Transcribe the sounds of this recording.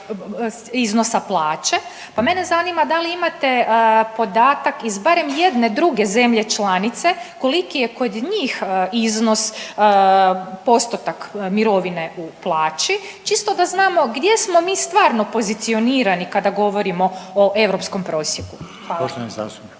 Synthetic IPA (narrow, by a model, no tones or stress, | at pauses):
iznosaplˠaːt͡ʃe̞ | pame̞nezaniːmad̪aliimat̪e̞po̞d̪aːt̪akizbaɾe̞mje̞d̪ne̞d̪ɾuɡe̞ze̞mʎet͡ʃlˠanit̪se̞ko̞likijeko̞d̪ɲiːxizno̞s | po̞st̪ot̪akmiɾo̞ʋine̞ʔuplˠaːt͡ʃi | t͡ʃist̪od̪aznaːmo̞ɡd̪je̞smo̞miːst̪ʋaːɾno̞po̞zit̪sio̞niːɾanikad̪aɡo̞ʋo̞ɾimo̞oʔe̞ʋɾo̞psko̞mpɾo̞ːsjeku | aoʃt̪oza̰s